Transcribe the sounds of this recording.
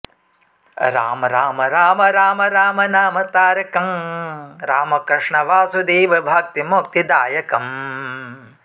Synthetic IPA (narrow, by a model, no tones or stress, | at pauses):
ɾa̰ːmɐɾaːmɐɾaːmɐɾaːmɐɾaːmɐnaːmɐt̪aːɾɐkɐm | ɾaːmɐkɾɪʂɳɐʋaːsud̪eːʋɐbʱaːk̚t̪imok̚t̪id̪aːjɐkɐm